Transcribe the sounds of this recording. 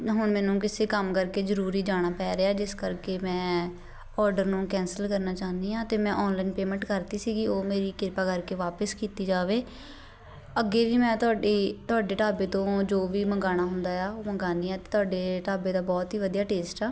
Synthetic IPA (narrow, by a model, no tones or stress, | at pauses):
ɦʊɳmɛːnũːk̬ɪseːkəmkəɾkeːzəɾuːɾiːd͡ʒaːɽ̃aːpɛːɾeaːd͡ʒɪskəɾkeːmɛ̃ː | ɔːɾɖəɾnũːkɛ̃ːnsəlkəɾnaːt͡ʃaːnd̪iːãːt̪eːmɛ̃ːʔɔːnlaːɪnpeːmɛ̃ːɳʈkəɾt̪iːsiːɡiːoːmeːɾiːkɪɾpaːkəɾkeːʋaːpəskiːt̪iːd͡ʒaːʋeː | əɡeːʋiːmɛ̃ːt̪ʊaːɖeːt̪ʊaːɖeːʈaːbeːt̪õːd͡ʒoːʋiːməɡaːñaːɦʊnd̪aːaːoːməɡaːniːɛːt̪eːt̪ʊaːɖeːʈaːbeːd̪aːbɔːt̪ɦiːʋəd̪ijaːʈeːsʈɛː